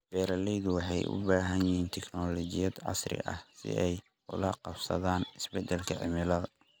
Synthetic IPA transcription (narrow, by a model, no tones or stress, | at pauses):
b̥ɛːɾɐlɛjðʊwɑħɑjʔʊ̰baːɦɐnjɪhiːnt̪ʰɛkʰnɔːlɔt͡ʃɪjɐd̪ʕɑ̰srɪ̰ʔɐ̰hsɪ̰ʔɛj | ʊ̰lɐqɑbsɐ̰ðaːnɪsbɛd̪ɛlkʰɐʕɪ̰mɪlɐðɐ